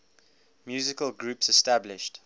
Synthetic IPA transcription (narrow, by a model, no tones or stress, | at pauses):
mjʉːzɪkəlˠɡɹuːpsɛstablɪʃt